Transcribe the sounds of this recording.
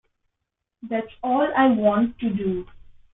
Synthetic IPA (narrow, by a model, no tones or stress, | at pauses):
d̪æʈsɔːlaɪʋɔ̃ːɳʈːuɖuː